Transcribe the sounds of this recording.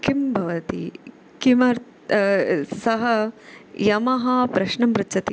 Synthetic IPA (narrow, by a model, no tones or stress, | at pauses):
kimbʱɐʋɐt̪ḭ | kimɐɾ | sɐɦɐjɐmɐɦɐpɾɐʃɳɐmɾɐt͡ʃɐt̪i